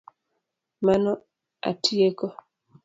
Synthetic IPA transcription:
manɔ | a̰tʰiekɔ

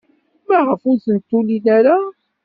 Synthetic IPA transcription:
mæʁəfuθənt̪ːulinæɾa

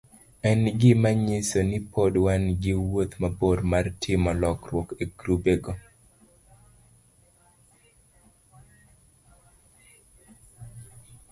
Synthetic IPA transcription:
ɛnɡɪmaɲɪsonɪpʰodwanɡɪwot̪maboɾmartʰɪmɔlɔkrwɔkeɡɾubeɡo

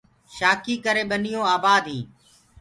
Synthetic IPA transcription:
ʃaːkiːkəɾeːɓənijõːaːbaːd̪ʱɦĩː

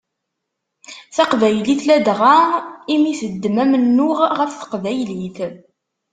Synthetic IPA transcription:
θæqvæjliθlæd̪ʁaimisəd̪ːmæmənːʊʁʁəfθə̥qvæjliθ

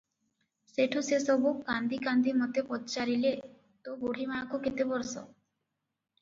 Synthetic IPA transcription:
seʈʰusesɔbuɡand̪ikand̪ʱimot̪epɔtt͡ʃaɾile | t̪oboɽ̤ʱimaakoket̪ebɔɾsɔ̰

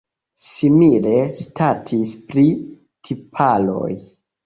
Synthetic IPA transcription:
simile̞statʰispɾi | tʰipʰalo̞̰j

